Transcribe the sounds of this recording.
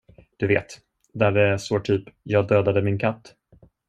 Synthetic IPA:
d̪̥ɵveːt̪ | d̪æɖɛsoːʈ̪ʰyːpjɑːɡd̪øːd̪ad̪əmɪnkʰat̪ː

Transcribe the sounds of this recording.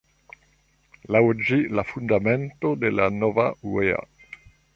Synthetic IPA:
lawd͡ʒilafund̪amɛnt̪od̪elanɔvauwea̰

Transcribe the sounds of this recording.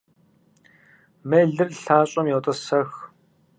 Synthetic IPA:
meːɮɨrɬaːɕʼɐmjɔwt̪ʼɐsɐx

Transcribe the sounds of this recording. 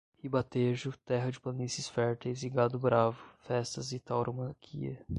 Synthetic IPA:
hibat̪eʒʊt̪ɛɦɐd͡ʒɪpɐnisisfɛɾt̪ejzɪɡad̪ʊbɾavʊfɛst̪ɐzɪt̪awɾʔomɐ̃kʰiɐ̰

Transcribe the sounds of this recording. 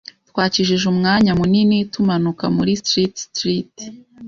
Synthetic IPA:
twaːt͡ʃiʒiʒumŋaːɲamuninitumanuka̰muɾistɾitstɾit

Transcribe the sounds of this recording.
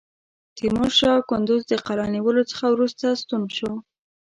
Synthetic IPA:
t̪imoʃɑkʊnd̪ʊzd̪əqalɑniwəlot͡sə̥xawɾust̪ast̪unʃow

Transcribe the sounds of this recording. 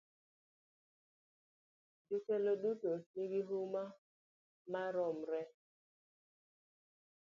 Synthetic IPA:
dikɛloɗutoniɡiɦuma | maɾɔmɾɛ

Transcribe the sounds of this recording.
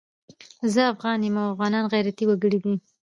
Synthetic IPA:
zəafɣɑnjemawafɣɑnɑnɣajɾat̪iwaɡəɽid̪i

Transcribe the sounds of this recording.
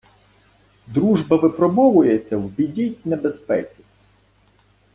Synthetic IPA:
d̪ɾuʒbɐʋɪpɾɔbɔʋʊjet͡sʲːɐwbʲidʲit̚ʲnebespɛ̰t͡sʲi̥

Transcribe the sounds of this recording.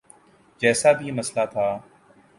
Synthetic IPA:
d͡ʒɛːsaːbʱiːməslat̪ʰaː

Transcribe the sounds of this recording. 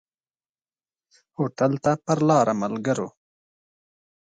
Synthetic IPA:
hoːʈɐlt̪apɐɾlɑːɾʔamɐlɡɐɾo̰

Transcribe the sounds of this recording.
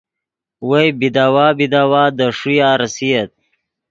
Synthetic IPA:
wejbid̪aːwaːbid̪aːwaːd̪əʂujaːɾɐsiɐt̪̚

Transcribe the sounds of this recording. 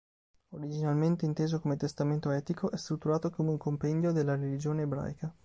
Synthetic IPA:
oɾid͡ʒinalment̪eint̪eːzokomet̪est̪ament̪oɛːt̪ikʰoʔɛst̪ɾut̪ːuɾaːt̪okomeuŋkompɛnd̪jod̪elːaɾelid͡ʒoːneːbɾa̰jka

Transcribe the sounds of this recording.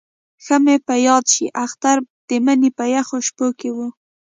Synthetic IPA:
xəmepəjɑd̪ʃiʔaxt̪aɾd̪̥əmənipəjaxoʃpokewu

